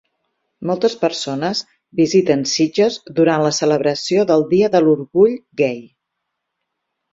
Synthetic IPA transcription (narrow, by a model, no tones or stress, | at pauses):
mɔlˠt̪əspəɾsonəz | bizit̪ənsid͡ʒəzd̪uɾanləsələβɾəsioðəlˠd̪iəðəluɾɣuʎɡɛj